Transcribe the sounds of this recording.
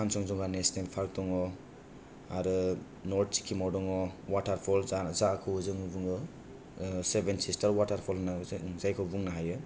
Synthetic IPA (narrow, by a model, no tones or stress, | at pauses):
ansɔŋzɔŋɡanestempʰaɾk̚dɔŋɔ | aɾɯ | nɔɾt̚t͡ʃi̥kʰimɔwdɔŋɔwataɾpʰɔlzazakʰɯzɯŋɯbuŋɯ | sebensistaɾwataɾpʰɔlnazajkʰɔbuŋnaɦajɯ